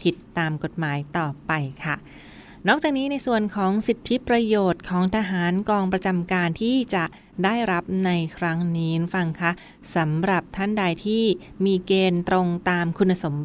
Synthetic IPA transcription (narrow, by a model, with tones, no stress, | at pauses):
pʰi˨˩t̪ːaː˧mko˨˩t̪̚maː˩˦jt̪ɔː˨˩pa˧jkʰa˥˩ | nɔː˥˩k̚t͡ɕaː˨˩k̚niː˦˥na˧jsu˨˩ənkʰɔː˩˦ŋsi˨˩t̪ʰːi˦˥pɾa˧joː˨˩t̪̚kʰɔː˩˦ŋt̪ʰa˧ɦaː˩˦nkɔː˧ŋpɾa˧t͡ɕa˧mkaː˧nt̪ʰiː˥˩t͡ɕa˨˩ʔ | daː˥˩jɾa˦˥p̚na˧jkʰɾa˦˥ŋniː˦˥fa˧ŋkʰa˦˥ʔ | sa˩˦mɾa˨˩p̚t̪ʰa˥˩nda˧jt̪ʰiː˥˩ | miː˧keː˧nt̪ɾo˧ŋt̪aː˧mkʰu˧nːa˧so˩˦m